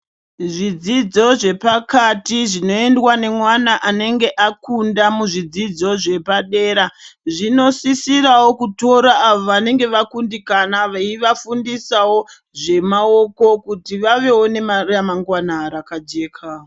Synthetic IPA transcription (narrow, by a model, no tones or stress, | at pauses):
ʐid͡zid͡zo̞ʐe̞pakatiʐino̞endwane̞mwanaʔane̞ŋɡe̞ʔakundamuʐid͡zid͡zo̞ʐe̞paɗe̞ːɾaʐino̞sisirawo̞kuto̞ɾaːʋoʋane̞ŋɡe̞ʋakundikanaʋaiʋafundisawo̞ | ʐe̞mao̞ko̞kutiʋaʋe̞wone̞marjamaŋɡwanaɾakad͡ʒe̞ːkʰa